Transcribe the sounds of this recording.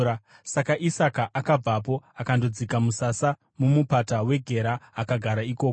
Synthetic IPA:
sakaʔisakaʔakab͡vap̬o̞akando̞d͡zikamusasa | mumupatawe̞ɡʱe̞ɾaːkaɡʱaɾaiko̞ːko

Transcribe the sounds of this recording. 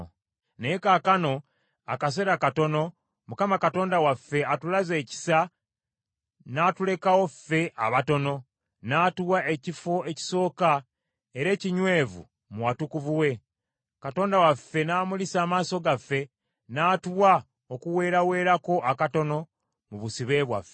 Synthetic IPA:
nejekakano̞ | a̰kas̬e̞ɾakato̞no̞ | mukamakato̞ːndawafːe̞atulaze̞ːci̥sa | naːtule̞kawo̞fːe̞ʔa̰βato̞no̞ | naːtuwaʔe̞cifo̞e̞ci̥so̞ːka | eɾe̞ːciɲwe̞ːvṵ | muwatukuvuwe̞ | kato̞ːndawafːe̞naːmulisaːmaːso̞ɡafːe̞ | naːtuwa | okuwe̞ːɾawe̞ːɾako̞ʔakato̞no̞ | muβusiβe̞βwa̰fːe

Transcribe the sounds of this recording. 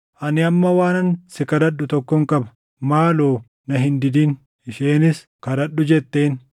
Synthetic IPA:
ʔɐnɪɐmːɐwaːnɐnsɪkɐd̪ɐɗːʊt̪ɔkːɔŋkʼɐbɐ̥ | maːloː | nɐɦɪnd̪ɪd̪iːn | ɪʃeːnɪs | kɐd̪ɐɗːʊd͡ʒɛt̪ːe̞ːn

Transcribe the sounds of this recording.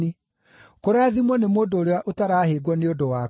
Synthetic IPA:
i | koɾaːðimwɔnemoːndoːɾewaʔotaɾaːheɡwɔneodowaː

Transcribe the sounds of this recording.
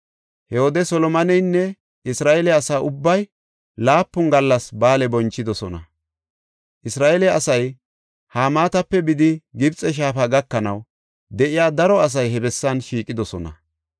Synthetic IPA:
hɛhɔd̪ɛsɔlɔmɐnɛjnːɛ | ʔɪsɾaːʔɛlɛɐsaːʔʊbːɐj | laːpːʊŋɡɐlːɐsbaːlɛbɔnt͡ʃːɪd̪ɔsɔnɐ̰ | ʔɪsɾaːʔɛlɛɐsɐj | haːmaːt̪ɐpːɛbɪd̪ɪɡɪbt͡sʼɛʃ̬aːfaɡɐkːɐnɐw | d̪ɛʔɪjaːd̪ɐɾɔɐs̬ɐjɦɛbɛsːɐnʃiːkʼːɪd̪ɔsɔnɐ̰

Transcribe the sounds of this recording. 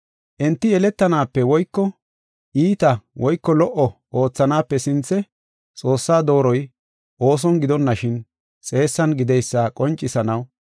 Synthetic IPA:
ʔɛnt̪ːɪjɛlɛt̪ːɐnaːpːɛwɔjkːɔ | ʔiːt̪ɐwɔjkːɔlɔʔɔʔoːt͡sːɐnaːpːɛsɪnt͡sːɛ | t͡sʼo̞ːsːaːd̪o̞ːɾɔj | ʔo̞ːs̬ɔnɡɪd̪ɔnːɐʃɪn | t͡sʼe̞ːsːɐnɡɪd̪ɛjsːaːkʼɔnt͡ʃʼːɪsɐnɐw

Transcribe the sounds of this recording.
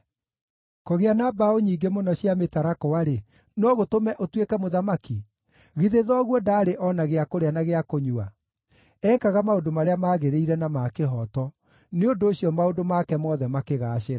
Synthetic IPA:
koɣeanabaoɲiːɡemonɔɕjametaɾakɔwaɾe | nɔɣotomɛʔotwekɛmoðamaki | ɣiðeðɔɣwɔdaːɾeʔɔnaɣeakoɾeanaɣeakoɲua | ɛkaɣamaodomaɾeamaːɣeɾeiɾɛnamakeɦɔtɔ | neondoːɕjɔmaondomakɛmɔðɛmakeɣaːɕeɾa

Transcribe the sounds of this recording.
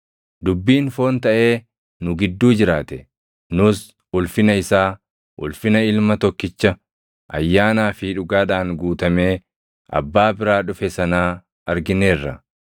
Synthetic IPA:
d̪ʊbːiːnfo̞ːnt̪ɐʔe̞ː | nʊɡɪd̪ːuːd͡ʒɪɾaːt̪ɛ | nʊs | ʊlfɪnɐɪsaː | ʔʊ̰lfɪnɐɪlmɐt̪ɔkːɪt͡ʃːɐ | ʔɐ̰jːaːnaːfiᶑʊɡaːᶑaːŋɡuːt̪ɐme̞ː | ɐ̰bːaːbɪɾaːᶑʊfɛsɐnaː | ɐɾɡɪneːrːɐ

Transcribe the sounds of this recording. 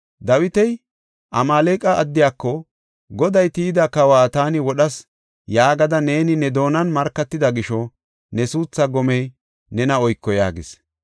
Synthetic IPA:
d̪ɐwɪt̪ɛj | ʔɐmaːleːkʼːɐɐd̪ːɪjaːkːɔ | ɡɔd̪ɐjt̪iːd̪ɐkɐwaːt̪aːnɪwɔɗɐs | jaːɡɐd̪ɐne̞ːnɪnɛd̪o̞ːnɐnmɐɾkːɐt̪ːɪd̪ɐɡɪʃɔ | nɛsuːt͡sːɐɡɔmɛj | nɛnɐɔjkːɔja̰ːɡɪs

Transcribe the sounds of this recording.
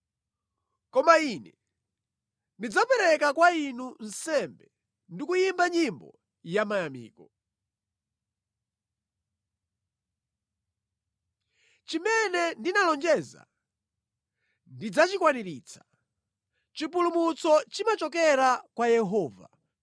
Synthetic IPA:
kɔmainɛ | ndid͡zapɛɾɛkakwainun̩sɛmbɛ | ndikujimbaɲimbɔ̰ | jamajamḭːkɔ | t͡ʃimɛnɛndinalɔnd͡ʒɛza̰ | ndid͡zat͡ʃikwaniɾit͡sʰḁ | t͡ʃipulumut͡sɔt͡ʃimat͡ʃɔk̬ɛɾakwajɛɦɔːva̰

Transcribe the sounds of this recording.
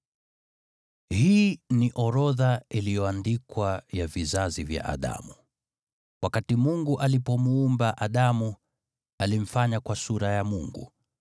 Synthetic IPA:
hiːniʔɔɾɔðailijɔandikwajavizazivja̰ʔa̰ɗa̰mu | wakatimuŋɡuʔalipɔmuːmbaʔaɗamu | alim̩faɲakwasuɾajamuŋɡṵ

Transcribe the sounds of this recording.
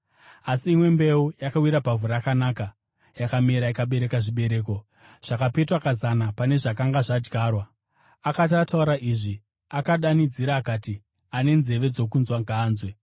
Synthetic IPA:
asiːmwe̞mbe̞ujakawiɾapavuɾaakanaːka | jakameɾaikaɓe̞ɾe̞kaʐiɓe̞ɾe̞ːko̞ | ʐ̥akape̞twakazanapane̞ʐakaŋɡaʐad͡ʒɡʱaːrwaː | katatauɾaʔiːʐi | akaɗanid͡ziɾaːkati | ane̞nze̞ʋe̞d͡zo̞kunzwaŋɡʱaːnzwe̞

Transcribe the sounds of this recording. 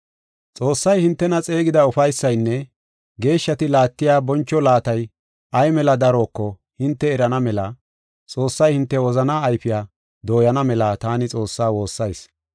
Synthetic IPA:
t͡sʼo̞ːsːɐjhɪnt̪ːɛnɐt͡sʼe̞ːɡɪd̪ɐʊfɐjsːɐjnːɛ | ɡe̞ːʃːɐt̪ɪlaːt̪ːɪjaːbɔnt͡ʃːɔlaːt̪ɐj | ʔɐjmɛlɐd̪ɐɾo̞ːkːɔ | hɪnt̪ːɛːɾɐnɐmɛlɐ | t͡sʼo̞ːsːɐjhɪnt̪ːɛwɔzɐnaːjfɪjaː | d̪o̞ːjɐnɐmɛlat̪aːnɪt͡sʼo̞ːsːaːwo̞ːsːɐjs

